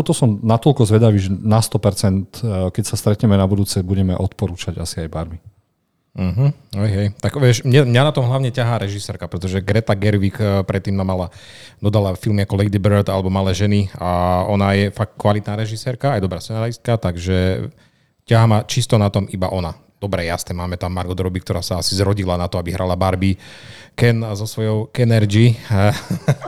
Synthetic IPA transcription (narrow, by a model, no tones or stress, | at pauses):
t̪ɔt̪ɔsɔmnat̪ɔlkɔzʋɛd̪aʋiːʒɛnast̪ɔpɛɾt͡sɛnt̪kɛcsast̪ɾɛt̪ɲɛmɛnabud̪uːt͡sɛbuɟɛmɛʔɔt̪pɔɾuːt͡ʃaɟasiajbaɾbi | m̩ɦ̩ɦɛjɦɛjt̪aɡʋɪɛʃmɲɛmɲanat̪ɔmɦlaʊɲɛcaɦaːɾɛʒisɛːɾkapɾɛt̪ɔʒɛɡɾɛt̪aɡɛɾʋikpɾɛt̪ːiːmːamalad̪ɔd̪alafilmiakɔlɛjd̪ibɛɾd̪alɛbɔmalɛːʒɛniaɔnajɛfak̪̚kʋalit̪naːɾɛʒisɛːɾkaajɛd̪ɔbɾaːst͡sɛnalist̪̚kat̪aɡʒɛ | caɦamat͡ʃist̪ɔnat̪ɔmiba̰ʔɔna | d̪̥ɔbɾɛjast̪ɛmaːmɛt̪amːaɾɡɔd̪ɾɔbikt̪ɔɾaːsaasizɾɔɟilanat̪ɔabiɦɾʔalabaɾbikɛnzɔsʋɔjɔʊkɛnɛɾd͡ʒi